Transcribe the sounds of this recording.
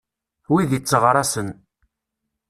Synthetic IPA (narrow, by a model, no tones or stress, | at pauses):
wiðiət͡sːəʁɾˤɑsən